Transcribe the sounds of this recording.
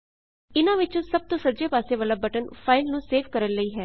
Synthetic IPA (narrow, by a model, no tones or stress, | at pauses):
ɪnãːʋɪt͡ʃõːsəb̚t̪õːsəd͡ʒeːpaːseːʋaːlaːbəʈənpʰaːɪlnũːseːʋkəɾənləiːɦɛː